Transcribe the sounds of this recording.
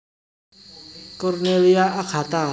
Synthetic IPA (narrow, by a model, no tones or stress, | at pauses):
kɔɾneliaʔakʰat̪a